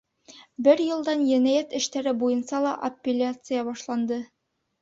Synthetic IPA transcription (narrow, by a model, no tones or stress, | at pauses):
bɘɾjɤ̆lˠd̪ɑnjænæjæt̪ɘ̆ʃt̪æɾɘbujɤ̆nsɑlˠɑʔɐpʲːɪlʲat̪sɨjɑbɒʃlˠɑnd̪ɤ